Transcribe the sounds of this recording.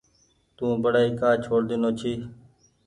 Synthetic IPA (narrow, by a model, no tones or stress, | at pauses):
t̪ũːbəɽaːiːkaːt͡ʃʰoːɽd̪ɪnoːt͡ʃʰiː